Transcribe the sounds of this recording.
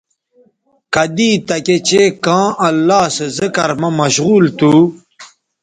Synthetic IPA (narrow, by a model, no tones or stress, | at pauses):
kɐd̪iːt̪ɐket͡ɕekãːʔɐlːaːsezəkɐɾmɐmɐɕɣuːlt̪u